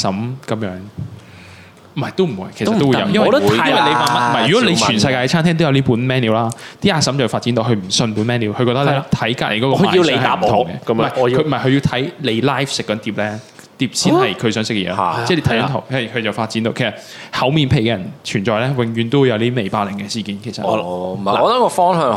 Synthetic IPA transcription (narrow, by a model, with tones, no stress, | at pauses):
sɐ˨˥mkɐ˨˧mjœː˨˥ŋ | m̩˨mɐ˨˩jt̪o˥m̩˨˩wṵː˨˧jkʰsɐto˩˥wu˧jɐ̰˨˧wjɐ˥nwwɐ˨jle˨˧jpaː˧˥mɐ˥˨˩mɐ˨˩jjy˨kɔ˨˥le˨˧jʰyː˨˩nsɐ˧jkaː˧kɛ˧t͡sʰaː˥nt̪ʰɛː˥ŋt̪o˥wjɐ˧liː˥puː˨˥nmɛː˥niː˨˧wlaː˦˥t̪iː˥aː˧˩sɐ˨˥mt͡sɐ˨˩faː˧t̚t͡si˨˥nt̪o˧wɦɵ˧ɥm̩˨˩sɵ˧npuː˨˥nmɛː˥niː˨˥wkʰɵ˧kɔː˧t̪ɐ˥k̚lɛː˦˥t̪ʰɐ˨˥jkaː˧˥lḛ˨˧jkɔː˨˧˥ɔ˧˨i˧lːhɐaː˨˥m˨t̪ʰʊ˨˧˨ŋɡɛ̰˧˨mɐ˨˩jkɵ˧m̩˨˩˨ɐ˨˩kʰɵ˧ɥji˧wt̪ʰɐ˨˥jle˨˧jlaː˥jfsɪ˨kːɔː˨˥nt̪iː˧˥p̚lɛː˥ | t̪iː˧p̚siː˥nhɐ˨jkʰɵ˨˧ɥsœː˨˥ŋsɪ˥kːɛ˧jɛː˧lat͡sɛː˥˩t̪ʰjnt̪ʰwɐ˨˩kʰɵ˧t͡sɐ˨˩wfaː˧t̚t͡siː˨˥nt̪o˨˧kʰsɐ˨˩t̚ | hɐ˨˧˥wmiː˨˧npʰe˨˩jkɛː˧jɐ˨˩nt͡ʃʰyː˨˩nt͡ʃɔː˨jlɛː˥wɪ˨˧ŋjyː˧nt̪o˥wu˨jɐ˨˧wt̪iː˥me˨jpaː˧lɪ˨˩ŋɡɛ˧siː˨kiː˨˦nkʰe˨˩sɐ̰˨˩˧a˨ɔː˨˧t̪ɐ˨˥kɔ˧fɔː˥ŋhœː˨˧ŋ